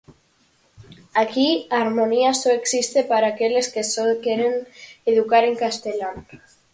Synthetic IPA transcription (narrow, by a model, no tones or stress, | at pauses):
akiaɾmoniasoeksist̪epaɾaːkeleskesokeɾeneðukaɾeŋkast̪elan